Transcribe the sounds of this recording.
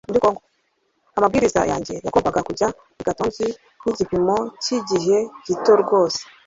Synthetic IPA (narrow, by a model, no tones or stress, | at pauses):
muɾikoːŋɡo | amabɡiːɾiza̰ja̰ːɲɟe̞ja̰ɡombaɡakuɟa | iɡatoːnzi | niɟipimo̞ciɟiɦe̞ɟ̥itoɾɡo̞ːse̥